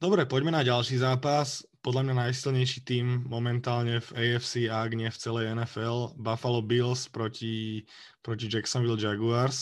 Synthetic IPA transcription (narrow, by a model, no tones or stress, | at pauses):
d̪ɔbɾɛpɔɟmɛnaɟalʃiːzaːpas | pɔd̪lamɲanajsilɲɛjʃit̪iːmːɔmɛnt̪aːlɲɛvɛɛfsiaːɡɲɛft͡sɛlɛjɛnɛfɛlbafalɔbilspɾɔci | pɾɔcid͡ʒɛksɔnʋild͡ʒaɡuaɾs